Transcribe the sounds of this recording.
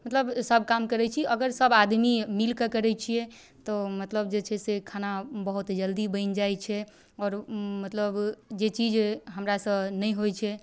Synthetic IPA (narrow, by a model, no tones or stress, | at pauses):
mət̪ləbsəb̚ʱkamkəɾɛt͡ʃʰiəɡəɾsəbad̪mimilkəkəɾɛt͡ʃʰijɛ | t̪ɔmət̪ləbd͡ʒet͡ʃʰɛsekʰanabəɦut̪d͡ʒəld̪ibə̃ɪnd͡ʒajt͡ʃʰɛ | ɔːɾmət̪ləbd͡ʒet͡ʃid͡ʒɦəmɾasənəjɦojt͡ʃʰɛ